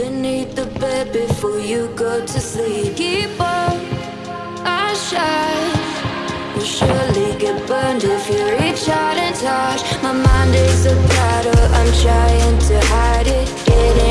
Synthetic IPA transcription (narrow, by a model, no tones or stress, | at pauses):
b̥ɨniθ̚ðəbɛd̚bɪfɔɹjɨɡoʊɾɨsipip | ʔaʃa | wəʃʊɹliɡɛt̚b̥ʌndɪfjəɹit͡ʃhɑɾɨ̃ntʰɑt͡ʃmaɪmãɪ̃ndeɪsəbɹɑɾə˞ã̰ɪ̃mtʰɹ̥aɪɪ̃ŋtʰɨhaɪɾɪt̚ɡ̥ɛɾɪ̃